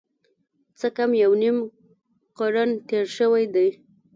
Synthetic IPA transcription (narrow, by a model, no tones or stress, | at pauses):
t͡səkamjawnim | qaɾant̪eɾʃəwajd̪aj